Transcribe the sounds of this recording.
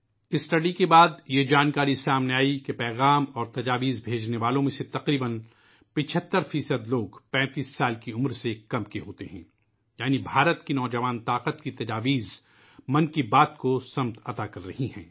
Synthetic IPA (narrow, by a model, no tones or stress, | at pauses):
ɪsːʈɐɖikebaːd̪jed͡ʒaːnkaːɾisaːmneaːikepɛːɣaːmɔːɾt̪ɐd͡ʒaːʋiːzbʱeːd͡ʒneʋaːlõmẽset̪ɐqɾiːbən | pɪ̃t͡ʃʰət̪ːəɾfiːsəd̪loːɡpɛ̃ːt̪iːsːaːlkiʊmɾsekɐmkeɦoːt̪eɦɛ̰̃ː | jaːnibʱaːɾət̪kinɔːd͡ʒɐʋaːnt̪aːqət̪kit̪ɐd͡ʒaːʋiːz | mɐ̃nkibaːt̪kosɐmt̪ɐt̪akɐɾːɐɦiɦɛ̰̃ː